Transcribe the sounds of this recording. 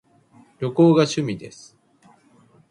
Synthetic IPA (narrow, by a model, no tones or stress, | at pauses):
ɾʲo̞ko̞ːɡaɕɨmʲid̪e̞sɨ̥